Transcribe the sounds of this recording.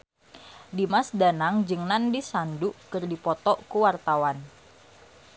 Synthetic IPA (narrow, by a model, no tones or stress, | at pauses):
dimasdanaŋd͡ʒɨŋnandisanduʔkɨrdipɔt̪ɔʔkuwart̪awan